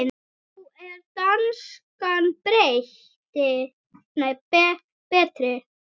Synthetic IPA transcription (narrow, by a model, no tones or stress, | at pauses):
n | wɛɾt̪anskanpɾejh | t̪ɪ | nejpɛ | pɛːt̪ɾɪ